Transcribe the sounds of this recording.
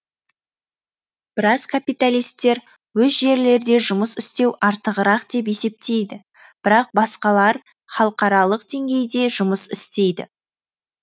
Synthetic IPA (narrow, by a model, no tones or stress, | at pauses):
b̥ɪɾɑzkʰapijt̪alʲijst̪ːe̞ɾ | wɵzʒe̞ɾle̞ɾd̪e̞ʒʊməsɪst̪e̞wʔɑɾt̪əʁəɾɑqd̪̥e̞p̬e̞se̞p̚t̪ʰe̞jd̪ɪ | b̥ɪɾɑq̚bɑsqɑlˠɑɾ | χɑlˠəqɑɾɑlˠəqd̪̥e̞ŋɡʲe̞jd̪e̞ʒʊməsɪst̪e̞jd̪ɪ̰